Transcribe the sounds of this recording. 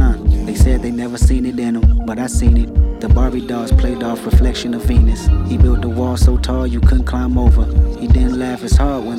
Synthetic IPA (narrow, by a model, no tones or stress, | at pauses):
ãɪ̃mðeɪsɛd̪̚ðeɪnɛvə˞sĩnɨɾɪ̃nə̃mb̥ʌɾaɪsĩnɨt̪̚ðɨbɑɹbidɔz̥pʰl̥eɪɾɔfɹɨflɛkʃɨ̃nʌvĩnɨshibɪlˠt̪̚ðəwɔlˠsoʊtʰɔlˠjɨkʰʊdⁿn̩kʰl̥ãɪ̃moʊvə˞hidɪdⁿn̩ʔlæfhɨz̥hɑɹʔ̚wə̃n